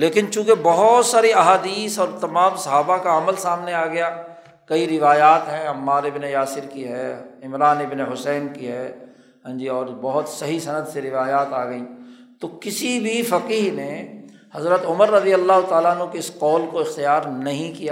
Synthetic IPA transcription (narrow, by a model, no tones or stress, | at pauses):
leːkɪnt͡ʃũːkebɐɦʊt̪saːɾiɐɦaːd̪iːsɔːɾt̪ɐmãːmsɐɦaːbakaɐməlsaːmneaːɡɐjaː | kɐiɾɪʋaːjaːt̪ɦɛ̃ɐmːaːɾɪbnejaːsɪɾkiɦɛɪmɾaːnɪbneɦʊsɛːnkiɦɛ | ɦãːd͡ʒiɔːɾbɐɦʊt̪sɐɦisɐnəd̪ʱseɾɪʋaːjaːt̪aːɡɐi | t̪okɪsibʱifɐqiːɦne | hɐzɾət̪ʊməɾːɐd̪ijəlːaːɦʊt̪aːlaɦənɦõkeɪsqɔːlkoɪxt̪ijaːɾnɐɦĩkija